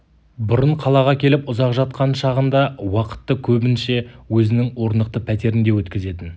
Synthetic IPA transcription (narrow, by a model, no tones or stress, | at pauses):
bʊɾəɴqʰɑlˠɑʁɑkʲʰe̞lɪpʊzɑqʒɑt̪̚qɑnʃɑʁənd̪ɑwɑqə̥t̪ːəkʲʰɵbɪnʃe̞wɵzɪnɪŋwo̞ɾnd̪əq̚t̪əpʰæt̪e̞ɾɪnd̪e̞wɵt̪kʲɪze̞t̪ɪn